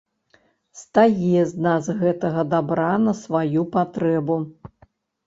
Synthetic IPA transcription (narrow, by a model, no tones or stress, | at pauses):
st̪ajɛznazɣɛt̪ɐɣɐd̪abɾanɐsvajupat̪ɾɛbu